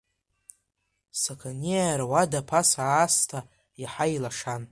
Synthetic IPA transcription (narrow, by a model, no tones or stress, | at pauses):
sakʰaniaɾawadapʰasaːstʰa | aħajlaʂan